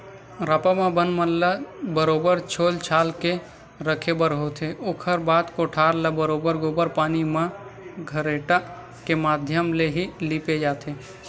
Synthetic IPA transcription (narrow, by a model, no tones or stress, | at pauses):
ɾaːpamãbənmənləbəɾoːbəɾt͡ʃʰoːlt͡ʃʰaːlke | ɾəkʰebəɾɦot̪ʰeʔokʰəɾbaːd̪koʈʰaːɾləbəɾoːbəɾɡoːbəɾpaːnimãɡʱəɾeʈa | kemaːd̪ʱjəmleɦiliːped͡ʒaːt̪ʰe